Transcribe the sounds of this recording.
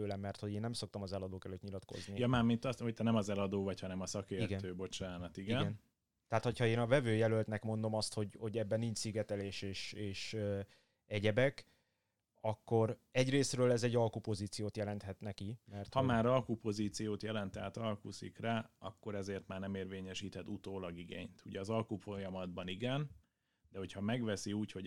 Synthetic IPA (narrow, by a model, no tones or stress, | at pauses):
øːlɛmːɛrt̪ho̞ɟeːnːɛmso̞kt̪ɒmɒzɛlɒd̪oːkɛløːt̪ɲilɒt̪ko̞̰znijɛmaːmint̪ɒho̞c̚t̪ɛnɛmɒzɛlɒd̪oːvɒchɒnɛmɒsɒkeːɾiɡɛøːbo̞t͡ʃaːnɒt̪iɡiɛnɡɛn | t̪ɛɦaːt̪ho̞chɒeːnɒvɛvøːjɛlølt̪nɛkmo̞n̪d̪o̞mɒst̪ho̞ɟho̞ɟɛbːɛnːiɲt͡ʃsiɡɛt̪ɛleːʃeːʃeːʃø | ɛɟɛbɛk | ɒkːo̞ɾɛɟreːsrøːlɛzɛɟːɒlkupo̞ziːt̪sijoːt̪jɛlɛnt̪hɛt̪nɛkimɛrt̪hɒmaːɾɒlkupo̞ziːt̪sijoːt̪jɛlɛnt̪ɛat̪ɒlkusḭkraːɒ̰kːo̞ɾɛzeːrt̪maːrnɛmeːrveːɲɛʃiːt̪ɛd̪ut̪oːlɒɡiɡḛːɲt̪ʰuɟɛɒzɒlkufojɒmɒd̪bɒniɡɛn | d̪ɛho̞chɒmɛɡʋɛsiuːcho̞